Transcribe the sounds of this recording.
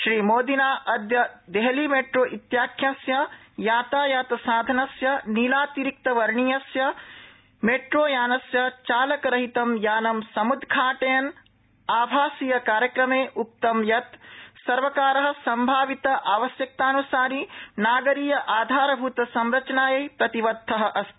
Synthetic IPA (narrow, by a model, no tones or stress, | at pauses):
ʃɾiːmoːd̪inaːʔɐd̪jɐd̪eɦɐliːmeːʈɾoːʔit̪jaːkʰjaːsjɐ | jaːt̪aːjaːt̪saːd̪ʱɐnɐsjɐnilaːt̪iɾik̚t̪ɐʋɐɾɳijɐsjɐ | meːʈɾoːjaːnɐsjɐt͡ʃaːlɐkɐɾɐɦit̪ɐmjaːnɐmsɐmud̪ʱɡʰʱaːʈejɐn | aːbʱaːsijɐkaːɾjɐkɾɐmeːʔup̚t̪ɐmjɐt̪sɐɾʋɐkaːɾɐɦɐ̆sɐmbʱaːʋit̪ɐʔaːʋɐsjɐk̚t̪aːnusaːɾinaːɡɐɾiːjɐʔaːd̪ʱaːɾɐbʱut̪ɐsɐmɾɐt͡ʃɐnaːjɐjpɾɐt̪iʋɐd̪ʱːɐɦɐ̆ʔɐst̪i̥